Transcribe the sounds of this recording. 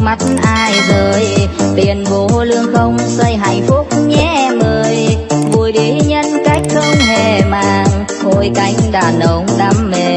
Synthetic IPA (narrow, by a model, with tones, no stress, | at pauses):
ma˦˥t̚nʔaː˧jzəː˨˩jt̪i˨˩ənvo˧˩lɨ˧əŋxə˧wŋ͡msə˧jɦa˧˩jŋ̟fu˦˥k͡p̚ɲɛ˨˦˥ʔɛ˧mʔəː˧˨˧jvu˨˧˩jɗi˨˩˦ɲə˧nka˦˥jk̟̚xə˧wŋ͡mɦe˧˩maː˧˨ŋ | ho˧˩jka˨˦jŋ̟ɗaː˨˩nə˧˨˦wŋ͡mɗa˨˦mme˧˨˩